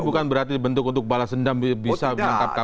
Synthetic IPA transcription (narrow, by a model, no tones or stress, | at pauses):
bukanbəɾart̪idibənt̪ʊk̬unt̪ʊk̚balasəndambisaənaŋkap̚a